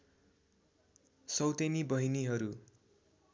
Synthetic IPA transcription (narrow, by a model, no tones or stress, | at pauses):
sʌwt̪enibʌɦiniɦʌɾu